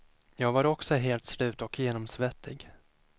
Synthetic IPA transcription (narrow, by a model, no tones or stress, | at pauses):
jɑːɡvaɾɔksɔɦeːlt̪slʉ̟ːt̪ɔkʰjeːnɔmsvɛt̪ʰːɪɡ